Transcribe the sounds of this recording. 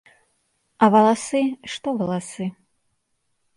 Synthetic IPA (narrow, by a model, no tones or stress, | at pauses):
avɐlˠasɨʂt̪ɔvɐlˠasɨ